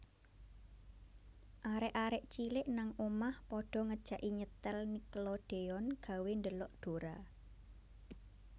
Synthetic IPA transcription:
ʔaɾɪʔaɾɪʔt͡ʃilɪʔnaŋomahpɔɖ̥ɔ̤ŋəd̥ʒ̥a̤ʔiɲət̪əlniklɔɖ̥e̤ɔnɡ̥ä̤wend̪əlɔʔɖ̪̥o̤ɾa

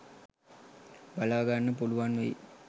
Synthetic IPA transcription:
balaːɡanːəpuluʋanʋeḭ

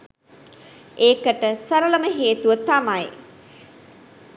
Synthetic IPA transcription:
ʔeːkəʈəsɐɾələməɦeːt̪uʋət̪amaj

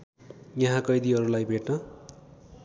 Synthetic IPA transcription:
jʌɦãkʌjd̪iɦʌɾulajbʱeʈnʌ

